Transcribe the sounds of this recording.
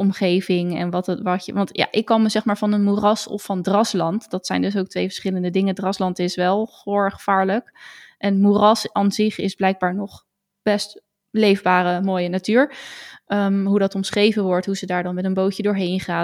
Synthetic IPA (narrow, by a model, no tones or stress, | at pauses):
ʔɔmχejvɪŋɛ̰nʋɑtʋɑcəʋɑntja̰ːʔɪkːɑlˠməzɛχmaːɹvɑnənmurɑsɔ̰fːɑndrɑslɑntd̥ɑtsɛjndɵs̬owk̚tʋejvə̥ɹsχɪləndədɪŋədrɑslɑntɪsʋɛlˠχoχəv̥aːɹləkʔɛnmurɑsanzɪχɪzblɛjɡ̚baːɹnɔχ | b̥ɛst | lejvbaːrəmoːjənatyːɹəmɦudɑtɔmsχrejvənʋɔɹtɦuzədaːɹdɑnmɛtənbowcədʊːɹɦejnχaː